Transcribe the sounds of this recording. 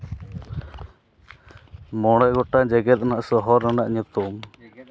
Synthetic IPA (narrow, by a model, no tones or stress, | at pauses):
mɔɽ̃ɔjɡɔʈad͡ʒɛɡɛt̪̚naʔsɔɦɔɾanaʔɲut̪um